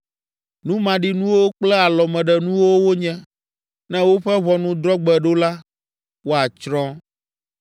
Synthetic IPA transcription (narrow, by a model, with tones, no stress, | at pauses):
nũ˦mã˨ɖi˦nũ˦wo˦k͡plɛ˦a˨lɔ˨mɛ̃˨ɖɛ˨nũ˦wo˦wo˦ɲɛ̃˦ | nɛ̃˦wo˦ɸɛ˦βɔ˨nũ˦d̪ɾɔ˦ɡ͡bɛ˨ɖo˦la˦ | wo˦a˨t͡ʃɾɔ̃˦